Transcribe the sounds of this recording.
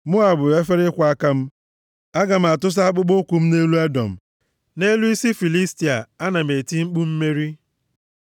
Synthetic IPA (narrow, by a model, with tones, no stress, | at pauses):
mʊ˦a˨bʊ˨e˦fe˦ɾɪ˦kʷa˦ka˦m̩˦ | a˦ɡa˨m̩˨a˨tʊ˦s̬a˦k͡pʊ˦ɡ͡bo˦kʷu˨m̩˦ne˦lu˦a˦dɔ̰˨m̩˨ | ne˦lu˦i˦si˦fi˨li˦sti˨a˨a˦na˨me˨ti˦mŋ͡m̩˦k͡pu˦m̩˦me˦ɾi˦